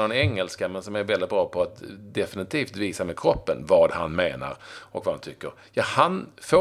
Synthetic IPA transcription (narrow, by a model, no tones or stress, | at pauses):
nɔnɛŋːəlskamɛnsɔmæɾvɛlːɪt̪̚bɾɑːpʰɔat̪d̪ɛfɪnɪt̪ʰiːft̪viːsamɛkʰɾɔpːənvad̪ha̰nmeːna̰ɾʔɔ̰kvaha̰nt̪ʰʏkːəɾ | jɑhanfo